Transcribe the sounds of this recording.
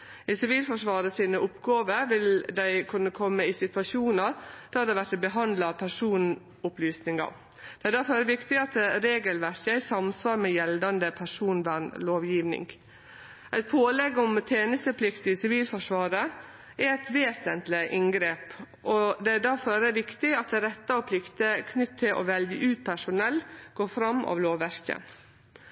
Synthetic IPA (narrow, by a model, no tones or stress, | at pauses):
ɪsɪʋiːlfɔʂʋɑːɾəsiːnəʔʊpɡɑːʋəɾʋɪld̪æɪkʰʉnːəkʰɔmːəɪsɪt̪ʉʋɑʃuːnəɾd̪̥ɑd̪ɛʋæʈːbəɦɑnd̪lɑpʰæʂuːn | ʊplyːsnɪŋɑ̰ | d̪̥ɛæd̪æɾfɔɾæɾəʋɪkt̪ɪɑt̪ɾeːɡəlʋæɾçəæɪsɑmsʋɑːɾmɛjɛld̪ɑnd̪əpʰæʂuːnʋæɳloːʋjiːʋnɪ̰ŋɡ | ʔæɪt̪pʰoːlɛɡɔmt̪ʰeːnəst̪əpʰlɪkt̪ɪsɪʋiːlfɔʂʋɑːɾə | æɛɪt̪ʋeːsənt̪lɪʔɪŋɡɾeːp | ʔɔd̪ɛæd̪æɾfɔɾæɾʋɪkt̪ɪɑt̪̚d̪ɛɾɛt̪ːəɔpʰlɪkt̪əkʰnʏt̪ʰːɪlʔɔ̰ʋɛljəʔʉːt̪̚pʰæʂʊnɛlːɡ̥oːfɾɑmːɑ̰ːʋloːʋːæɾçə̰